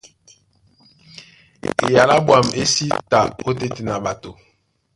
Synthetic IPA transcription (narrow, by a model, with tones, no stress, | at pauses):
ḛ˨ja˨la˦bwa˨me˦si˦ta˨o˦te˨te˨na˨ɓa˨to˨